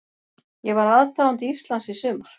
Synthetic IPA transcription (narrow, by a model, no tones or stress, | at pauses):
jɛɣvaɾaðt̪alant̪ifst̪lansisʏːmaɾ̥